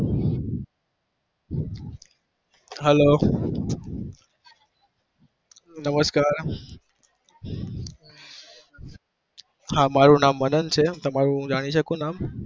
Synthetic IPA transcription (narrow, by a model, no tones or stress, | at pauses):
ɦɛloː | nɐməskaːɾ | hãːmaːɾũnaːmːɐnənɪ̆t͡ɕʰeːt̪ɐmaːɾũd͡ʑaːɽ̃iʃɐkõnaːm